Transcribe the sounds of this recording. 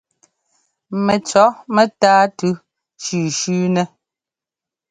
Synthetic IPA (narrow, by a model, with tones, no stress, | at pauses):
mɛ˨t͡ʃɔ˨˦mɛ˦taː˦tʉ˦ | t͡ʃʉː˨ʃʉː˦nɛ˦